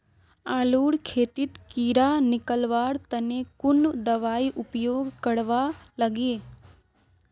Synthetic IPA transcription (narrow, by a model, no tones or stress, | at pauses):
aːluːɽkʰeːt̪ɪt̪kiːɾanɪkəlʋaːɾt̪ɐnekʊnd̪ɐʋaːiʔʊpjoːɡkəɽʋalɐɡeː